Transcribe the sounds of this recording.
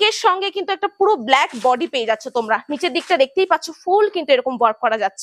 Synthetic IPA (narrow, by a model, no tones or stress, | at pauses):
keɾʃɔŋɡekint̪uɛk̚ʈapuɾoblɛkbɔɖipeed͡ʑatːɕʰot̪omɾanit͡ɕeɾd̪ik̚ʈad̪ek̚t̪ejpatːɕʰofulkint̪ueɾɔkombaɾb̚kɔɾad͡ʑatːɕʰe